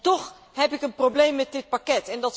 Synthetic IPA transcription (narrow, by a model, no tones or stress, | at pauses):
tɔχ | ɦɛpɪkənprowblejmːɛt̚dɪt̚pakɛtɛndɑt